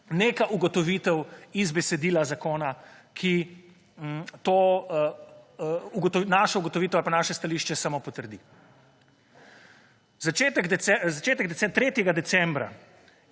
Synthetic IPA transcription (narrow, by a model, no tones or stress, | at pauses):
neːkaʔuɡɔt̪ɔʋit̪ɛwizbɛsɛd̪iːlazakoːnakʰi | t̪o | uɡt̪ɔnaʃɔuɡɔt̪ɔʋit̪ɛwalpanaːʃɛst̪aliːʃt͡ʃɛsamopɔt̪əɾd̪i | zat͡ʃeːt̪ɛk̪ɛɛzat͡ʃeːt̪ɛɡ̚d̪ɛsɛt̪ɾeːt̪jɛɡad̪ɛsɛmbɾa̰